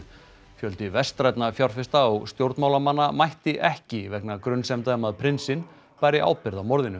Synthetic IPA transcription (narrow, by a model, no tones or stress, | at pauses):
fjœlt̪ɪvɛst̪ɾajt̪nafjawɾ̥fɪst̪aɔst̪jowɾt̪maːwlamanːamajht̪ɪʔɛhcɪvɛknakɾʏnsɛmt̪amaðpʰɾɪnsɪn | paːjɾɪʔa̰wpɪɾðawmɔɾðɪnʏ